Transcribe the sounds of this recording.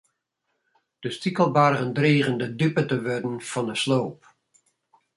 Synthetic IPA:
d̥əstikəlˠbarɣəndreːɣəndədypətəʋødən̩fɑndəsloːp

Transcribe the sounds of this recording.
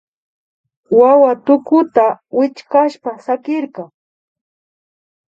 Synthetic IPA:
wawat̪ʊkʊt̪awɪt͡ʃkaʃpasakɪɾɢɑŋ

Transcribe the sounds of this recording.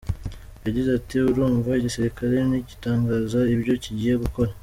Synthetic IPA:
jaɟizatiuɾuːɱvaiɟisiɾikaɾe̞niɟitaːŋɡaːzaiβɟo̞ciɟiːje̞ɡuko̞ɾa

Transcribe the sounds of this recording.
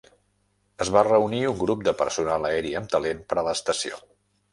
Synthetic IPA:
əzβarəuniuŋɡɾup̚d̪əpə̰ɾsunaləɛɾiəmt̪əlenpəɾələːst̪əsio̰

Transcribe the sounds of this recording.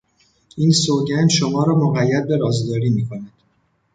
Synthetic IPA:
ʔiːnsoɟænʃomɒːɾɒːmoɣæjːæd̪̚beɾɒːzd̪ɒːɾiːmiːkʰo̞næd̪̥

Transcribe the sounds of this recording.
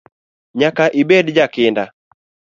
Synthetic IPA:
ɲakaʔibɛdd͡ʒakɪnda

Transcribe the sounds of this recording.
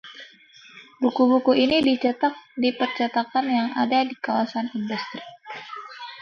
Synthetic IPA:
bukubukuʔinidit͡ʃət̪ak̚dipərt͡ʃat̪akanjaŋa̰dadikawasanindust̪ɾi

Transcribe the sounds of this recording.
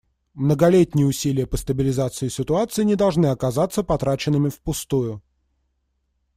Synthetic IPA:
mnəɡɐlʲetʲnʲɪjəʊsʲilʲɪjəpəst̪əbʲɪlʲɪzat̪sɨɪsʲɪt̪ʊat̪sɨɪnʲɪd̪ɐlˠʐnɨɐkɐzat̪sːəpɐt̪ɾat͡ɕɪnːɨmʲɪfpʊst̪ujʊ

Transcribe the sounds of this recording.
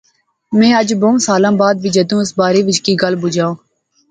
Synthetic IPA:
mɛ̃ːəd͡ʒbõːmsaːlãːbaːd̪ʋiːd͡ʒəd̪ũːɪsbaːɾeːʋɪt͡ʃkiːɡəlbʊd͡ʒaːõː

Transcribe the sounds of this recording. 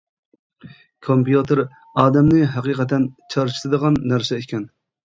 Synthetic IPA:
kʰompijut̪ʰɨɾ | ɑːd̪ɛmnɪɦæqiːqʰɛt̪ʰːɛnt͡ʃʰɑɾt͡ʃʰi̥t̪ʰɨd̪əʁɑnːæɾsɛekʲʰɛn

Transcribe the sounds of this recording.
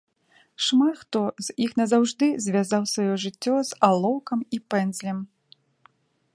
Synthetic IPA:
ʂmat̪xt̪ɔz̥ʲixnɐzawʐd̪ɨzʲvʲazawsvajɔʐɨt͡sʲːɔzalˠɔwkɐmipɛnzʲlʲɛm

